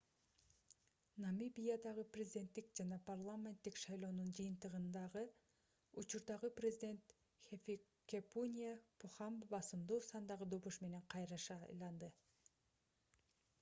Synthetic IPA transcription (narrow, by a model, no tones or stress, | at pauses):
namibʲijad̪ɑʁɯprʲezʲid̪ʲe̞nt̪ːik̚d͡ʒɑnɑparlˠamʲe̞nt̪ːikʃɑjlˠo̞ːnund͡ʒɯjɯnt̪ɯʁɯnd̪ɑʁɯ | ut͡ʃuɾd̪ɑʁɯprʲezʲɪdʲe̞nt̪ | xefʲi | kʲepunʲijapʰuχɑmbɑsɯmd̪uːsɑnd̪ɑʁɯd̪o̞βuʃme̞ne̞ŋqʰɑjɾɑʃɑjlˠɑnd̪ɯ